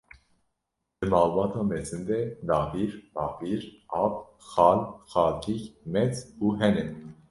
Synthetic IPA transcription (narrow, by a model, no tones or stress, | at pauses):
d̪̥ɨmɑːlbɑːt̪ʰɑːmɛzɨnd̪ɛd̪ɑːviɾbɑːviɾʔɑːp | xɑːlxɑːlt̪ʰikmɛt͡suːɦɛnɛn